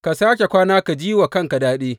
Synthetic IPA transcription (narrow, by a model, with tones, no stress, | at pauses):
ka˨saː˦kʲe˨kʷaː˦naː˦ka˨d͡ʒiː˦wa˨kɐ˦˨ŋka˨daː˦ɗeː˦